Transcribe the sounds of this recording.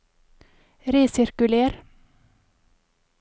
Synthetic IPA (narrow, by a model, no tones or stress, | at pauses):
ɾeːsɪɾkʉleːɾ